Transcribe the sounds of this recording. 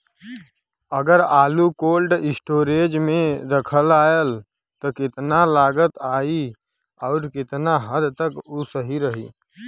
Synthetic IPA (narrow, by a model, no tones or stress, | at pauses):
əɡəɾaːlukoːlɖɪsʈoːɾed͡ʒmẽɾəkʰəlaːəl | t̪ɔkɪt̪nalaːɡət̪aːi | ɔːɾkɪt̪naɦəd̪t̪əkusəɦiɾəɦḭː